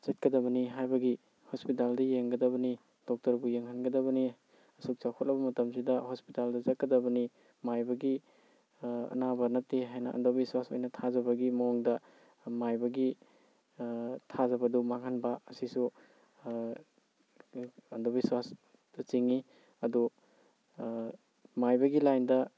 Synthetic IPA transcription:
zɐt̚kɐdɐbɐniɦajbɐɡi | hospitaldɐjeŋɡɐdɐbɐni | d̥ɔk̚tɐɾbujeŋhanɡɐdɐβɐni | ɐsuk̚t͡ʃakʰɔt̚lɐbɐmɐtɐms̬idɐhospitaldɐzɐt̚kɐdɐbɐni | majbɐɡi | ɐ̰nabɐnɐtːeɦajnɐʔɐ̰ndobiswaso̰jnɐtʰazɐbɐɡimɐɔŋdɐ | majbɐɡi | tʰazɐbɐdumaŋhanbɐɐsisu | ɐndobiswas | d̥ɐt͡ʃiŋi | ɐdu | majbɐɡilajndɐ

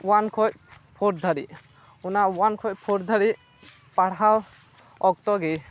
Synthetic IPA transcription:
wankʰɔc̚pʰɔɾd̪ʱaɾḭ | unawankʰɔc̚pʰɔɾd̪ʱaɾi | paɽɦaw | ɔk̚t̪ɔɡɛ

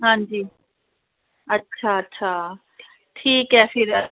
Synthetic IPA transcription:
ɦãːɲd͡ʑiː | ɐtːɕʰaɐtːɕʰa | ʈʰiːkɦɛfɪɾɐ

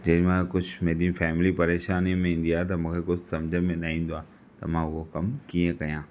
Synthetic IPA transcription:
d͡ʑɐmãkʊd͡ʑʱmeːdĩfɛːmɪlipɐɾeːʃaːnimẽĩːn̆d̪iaːet̪̬ɐmũːkʰekʊd͡ʑʱsɐmd͡ʑʱəmẽɗaːĩːnd̪oaː | t̪ɐ̰mãʊɦokɐmkiːə̃kɐjãː

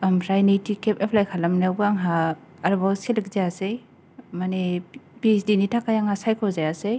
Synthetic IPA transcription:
ampʰɾajnitikep̚epʰlajkʰalamnabɯaŋɦaː | ɾbasilik̚zaase | manepisdinitʰakajaŋhasajkʰozajasej

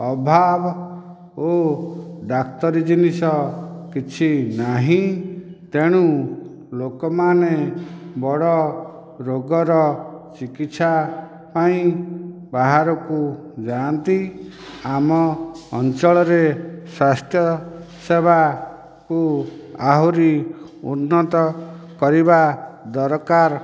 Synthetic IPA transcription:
ɔbʱab | o | ɖakt̪ɔɾid͡ʒinisɔkit͡ʃʰinaɦĩt̪eɽ̃u | lokɔmanebɔɽɔ | ɾoɡɔɾɔt͡ʃikit̪sa | paĩ | baɦaɾɔku | d͡ʒant̪i | amɔːnt͡ʃɔɭɔɾeswast̪jɔ | sebʱa | kuaɦuɾi | ṵnːɔt̪ɔ | kɔɾibad̪ɔɾkaɾ

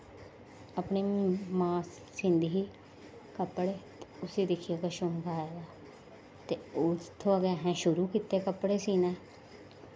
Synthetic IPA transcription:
əpɳeːmãːs | sɪ̃nd̪iːɦiː | kəpːɽeːt̪eʊsiːd̪ɪkʰijaːkəʃõːmkaːjeːd̪aː | t̪eːoːd͡ʒɪt̪ʰːõːəɡaːɦɛ̃ːʃʊɾuːkit̪eːkəpːɽeːsiːnɛː

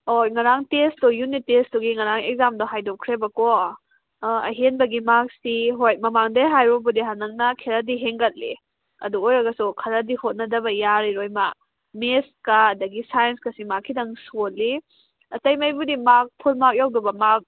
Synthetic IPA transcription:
ojŋɐɾaŋtestɔjunːitestɔɡiŋɐɾaŋek̚zamdɔɦajdokʰɾebɐkɔ | ɐ̰ɦenbɐɡimak̚siɦojmɐmaŋdajɦajɾɔbudiɦanɐŋnɐkʰeɾadiɦeŋɡɐt̚lḭ | ɐ̰duojɾɐɡɐsukʰɐɾadihot̚nɐdɐbɐjaɾiɾojma | meskaːdɐɡisajenskɐsimakʰːidɐŋsot̚li | ɐtɐjmɐjbudimak̚pʰulmak̚jawdɐbɐmak̚

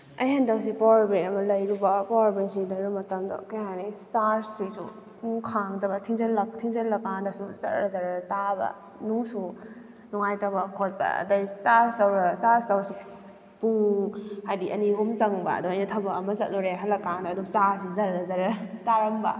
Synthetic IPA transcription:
ɐ̰jhandawsipawɾbɾejɐmɐlɐjɾubɐpawaɾbensidɐjɾumɐtɐmdɐ̰kajhanistaɾsisṵ | puŋkʰaŋdɐbɐtʰiŋzɐnlɐk̚tʰiŋzɐnlɐkːandasuzɐ̰ɾɾɐzaɾtabɐ̰ | nuŋsu | nuŋajtɐwbɐkʰot̚bɐ̰ɐ̰dɐjsastɐwɾɐsastawɾɐsu | puŋhajdiʔɐniɦumzɐŋbɐ̰ːdumɐjnɐtʰɐbɐɐmɐzɐt̚zɔɾeɦalːɐkːandɐːdumsaɾsizɐɾɾɐzɐɾɐtaɾɐmbɐ̰

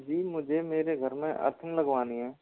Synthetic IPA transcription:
d͡ʒiːmʊd͡ʒʱemeːɾeɡʱəɾmẽʔə̰ɾt̪ʰə̃nləɡʋaːniɦɛ̃ː

